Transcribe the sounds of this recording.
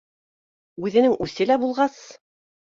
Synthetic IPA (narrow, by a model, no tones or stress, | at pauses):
ʉðɘ̆nɘŋʉθɘlæbulˠʁɑs